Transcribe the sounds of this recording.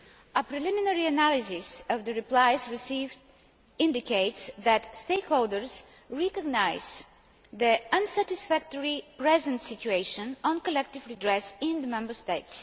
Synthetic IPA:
əpɾɪliminɛɹiənælisɪsəvðəɾiplaɪzɹisiv | ɪ̃ndikeɪtsðætst̪eɪkholˠdəɹz̥ | ɹɛkəɡnaɪz̥ | ðiə̃nsætɪsfæk̚təɹipɹɛzə̃ntsɪt͡ʃueɪʃə̃nɔ̃nkəlɛk̚tɪvɹidɹɛsɪ̃nðəmɛ̃mbə˞st̪eɪts

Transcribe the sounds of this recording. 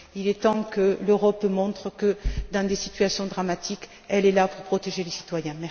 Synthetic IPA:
ilɛt̪ɑ̃kəløʁɔpmɔ̃t̪χəkəd̪ɑ̃d̪esit̪yasjɔ̃d̪ʁamat̪ik | ɛlɛlapuʁpχɔt̪eʒelesi̥t̪wajɛ̃mɛʁ

